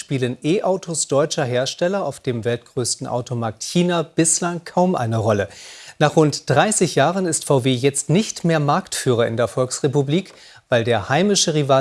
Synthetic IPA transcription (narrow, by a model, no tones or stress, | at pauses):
ʃpiːlənʔeːʔaʊtʰosd̥ɔʏt͡ʃɐɦeːɐʃtɛlɐaʊfd̥eːmvɛlt̚ɡ̥ʁøːstn̩ʔa̰ʊtʰomaɐk̚tçiːnab̥ɪslaŋkʰaʊmʔa̰ɪnəʁɔlənaːχʁ̥ʊntd̥ʁaɪsɪçjaːʁənɪstfaʊveːjɛt͡stnɪçtmeːɐmaɐktfyːʁ̞ɐɪ̰ndeːɐfɔlksʁ̥epubliːk | v̥aɪldeːɐhaɪmɪʃəʁivaː